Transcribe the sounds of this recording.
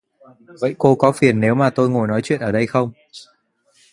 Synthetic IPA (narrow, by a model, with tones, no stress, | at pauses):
və̰˧˨jko˧kɔ˨˦fi˨˩ənːe˨˦wmaː˨˩t̪o˧jŋo˨˩jnɔ˨˦jt͡ɕwḭ˧˨ənʔəː˧˩ɗə˧jxə˧wŋ͡m